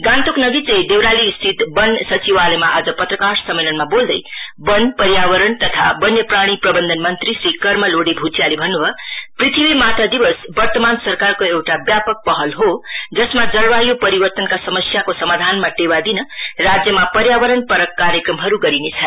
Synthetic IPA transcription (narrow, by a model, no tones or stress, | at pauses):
ɡãnt̪oknʌɡit͡sʌjd̪ewɾaliːst̪ʰit̪bʌnsʌt͡siwalemaʔad͡zʌpʌt̪rʌkaɾsʌmːelʌnmabold̪ʌjbʌnpʌɾjaβʌɾʌɳt̪ʌt̪ʰabʌnjʌpraɽ̃iprʌbʌnd̪ʱʌnmʌnt̪risɾikʌrmʌloɽibʱut͡sjalibʱʌnːubʱʌprit̪ʰibimat̪ʌd̪ibʌsbʌrt̪ʌmansʌrkarkoewʈabjapʌk̚pʌɦʌlɦod͡zʌsmad͡zʌlbajopʌɾibʌrt̪ʌnkasʌmʌsjakosʌmad̪ʱanmaʈewad̪inʌrad͡zjʌmapʌɾjabʌɾʌnpʌɾʌkːaɾjekrʌmɦʌɾuɡʌɾinet͡sʰʌ